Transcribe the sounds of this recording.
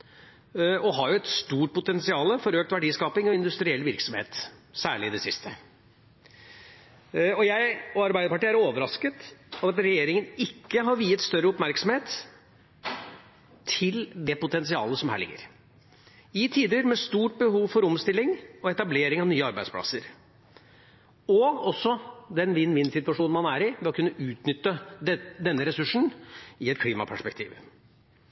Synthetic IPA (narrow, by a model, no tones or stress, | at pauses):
ɔɦɑɾjʊɛt̪st̪uːʈ̚pʰʊt̪ɛnsɪɑːləfɔɾøːk̚t̪ʋæɖiːskɑːpɪŋɔɪnd̪ʉst̪ɾɪɛlːʋɪɾksɔmhḛːt̪sæːɭɪɪd̪ɛsɪst̪ʰə | ɔjæɪɔɑɾbæɪd̪əpɑʈiːæɾoːʋəɾɑskət̪ɑt̪ɑt̪ɾɛjeːɾɪŋənɪkːəɦɑɾʋiːət̪st̪œɾːəʊpmæɾksɔmheːt̪ | ɪld̪ɛpʊt̪ɛns̬ɪɑ̰ːləsɔmhæ̰ːɭɪ̰ɡːə̰ɾ | ɪt̪ʰiːd̪əɾmɛst̪uːʈ̚bəhuːʋfɔɾɔmst̪ɪlːɪŋɔɛt̪ɑbleːɾɪŋɑʋnyːəɑɾbæɪspʰlɑ̰səɾ | ɔɡɔsːɔd̪ɛnʋɪnːʋɪnsɪt̪ʉɑʂuːnn̩mɑnæːɾɪmɛɔkʰʉnːəʔʉːt̪nʏt̪ːəd̪ɛnːəɾɛsʉʂɳ̩ɪɛt̪̚kʰliːmɑ̰pʰæʂpɛk̚t̪ʰḭːʋ